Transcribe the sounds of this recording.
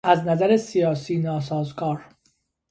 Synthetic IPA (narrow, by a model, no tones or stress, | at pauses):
æznæzæɾesijɒːsiːnɒːs̬ɒːzɡɒːɾ